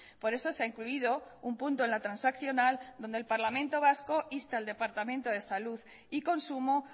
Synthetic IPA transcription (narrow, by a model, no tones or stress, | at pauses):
po̞ɾe̞so̞seaiŋkluiðo̞umpunt̪oe̞nlat̪ɾansakθjo̞nald̪o̞nd̪elpaɾlamẽnt̪o̞βasko̞ʔist̪aːld̪e̞paɾt̪amẽ̞nt̪o̞ð̞e̞saluð | iko̞nsumo